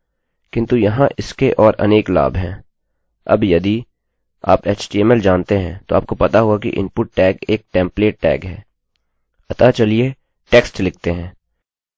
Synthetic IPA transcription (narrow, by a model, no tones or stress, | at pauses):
kɪ̃nt̪ujɐɦãʔɪskeʔɔːɾʔɐ̰neːkla̰ːbʱɦɛ̃ː | ɐ̰bjɐd̪i | a̰ːpeːt͡ʃʈiɛmɛld͡ʒaːnt̪eɦɛ̃t̪oa̰ːp̚kopɐt̪aɦuakḭʔɪ̰̃npʊʈ̚ːɛːkeːk̚ʈɛ̃ːmpleːʈ̚ːɛ̰ːkɦɛː | ɐt̪at͡ʃɐlie | ʈeːksʈlɪk̚ʰt̪eɦɛ̃ː